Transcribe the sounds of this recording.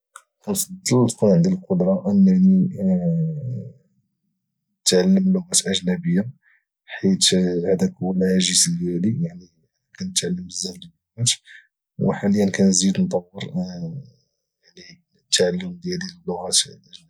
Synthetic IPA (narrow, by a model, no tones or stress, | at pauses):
kænfɑd̪ˤːəlkunʕənd̪ilqod̪ɾˤɑʔənːæni | t̪ʕalːəmlːʊɣæt̪ʔəʒnæbəjːa | ħit̪ʕd̪ækuwlʕaʒisd̪jælijaʕni | kænət̪ʕalːəməzːæfd̪əlːʊɣæt̪ | wə̰ħaləjənkænzid̪nt̪ˤɑwːəɾ | jaʕni | t̪ʕalːəmd̪jæliəlːʊɣæt̪ʔəʒn